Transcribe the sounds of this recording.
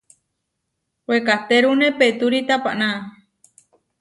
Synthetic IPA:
wekat̪eɾunẽpet̪uɾit̪apaʔna

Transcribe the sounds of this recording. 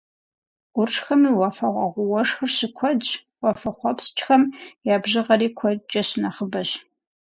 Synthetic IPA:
ʊrʂxɐmiːwɐfɐʁʷɐ̰ʁʷʊwɐʂxɨrɕɪkʷʰɔd͡ʒ | wɐfɐχʷɔpst͡ʃʼxɐmjaːbʑɨʁɐriːkʷʰɔt͡ʃʼɐɕɪnɐχəbɐɕ

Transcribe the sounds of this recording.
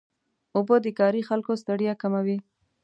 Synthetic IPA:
ʊbod̪əkɑɾixalkost̪aɽjakamawi

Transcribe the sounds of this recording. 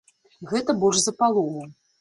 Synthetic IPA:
ɣɛt̪ɐbɔʐzɐpalˠɔɣu

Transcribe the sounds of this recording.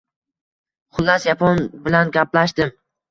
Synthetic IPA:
χʊlˠːasjapʰɒnbɪlanɡʲaplaʃd̪ɪm

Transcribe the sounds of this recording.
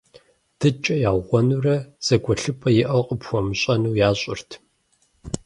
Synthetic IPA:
d̥ʰɨt͡ʃʼɐjaːʁʷɔnurɐz̥ɐɡʷɔɬɨpʰʼɐjɪʔɐwqʼəpxʷɔmɨɕʼɐnuwjaːɕʼɪ̰rtʰ

